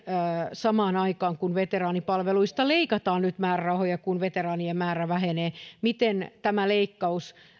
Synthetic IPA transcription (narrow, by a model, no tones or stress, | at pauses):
sɑmɑːnɑikɑːŋkunʋet̪erɑːnipɑlʋeluist̪ɑleikɑt̪ɑːnnyt̪mæːrærɑhojɑkunʋet̪erɑːniemæːɾæʋæɦeneːmit̪ent̪æmæleikːɑus